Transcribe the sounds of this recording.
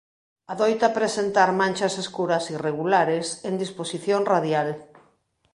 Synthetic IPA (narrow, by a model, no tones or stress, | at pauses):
aðojt̪apɾesent̪aɾmãnʲt͡ʃɐseskuɾɐsireɣulaɾesend̪isposiθjoŋraðjal